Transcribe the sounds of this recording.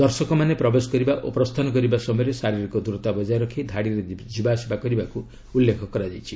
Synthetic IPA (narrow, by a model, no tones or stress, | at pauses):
d̪ɔɾsɔkɔmanepɾɔbesɔ̥kɔɾibaʔopɾɔst̪ʰanɔkɔɾibasɔmɔjɔɾesaɾiɾikɔd̪uɾɔt̪abɔd͡ʒaɾɔkʰid̪ʱaɽiɾed͡ʒibasibakɔɾibaku | ulːekʰɔkɔɾad͡ʒajt͡ʃʰi